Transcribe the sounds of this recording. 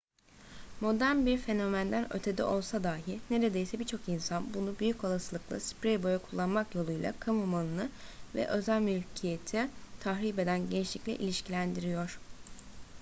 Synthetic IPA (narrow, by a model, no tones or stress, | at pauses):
mo̞d̪æɾnbiɾfe̞no̞mænd̪ænø̰t̪ʰe̞d̪ḭʔo̞lˠsad̪aːɦine̞ɾe̞d̪e̞jsɛbit͡ʃʰo̞kinsanbunubyjyco̞lˠasɯlˠɯklˠa̰spɾejbo̞jakʰulˠːanmakjo̞lˠujlˠa̰kʰamumanˠɯnɯvɛ̰ʔø̞zælʲmylʲcʰije̞t̪ʰit̪ʰaxɾiːbe̞d̪ænɟent͡ʃlʲiclʲḭʔḭlʲiʃcʰilʲænd̪iɾijo̞ɾ̥